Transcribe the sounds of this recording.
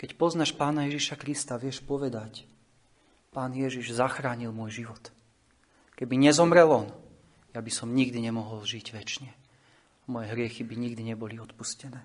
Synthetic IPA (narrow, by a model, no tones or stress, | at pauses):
kɛcpɔznaʃpaːnajɛʒiʃakɾist̪aʋɪɛʃpɔʋɛd̪ac | paːnjɛʒiʒzaxɾaːɲilmʊɔjʒiʋɔt̪ | kɛbiɲɛzɔmɾɛlɔn | jabisɔmɲiɡd̪iɲɛmɔɦɔlʒiɟʋɛt͡ʃɲɛ | amɔjɛɦɾɪɛxibiɲiɡd̪iɲɛbɔliɔt̪puscɛnɛː